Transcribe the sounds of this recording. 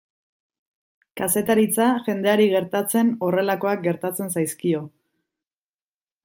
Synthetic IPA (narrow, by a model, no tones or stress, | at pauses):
kase̞t̪aɾit͡saʝe̞nd̪e̞aɾiɣe̞ɾt̪at͡se̞no̞re̞lako̞ak̚ɡe̞ɾt̪at͡se̞nsajskio̞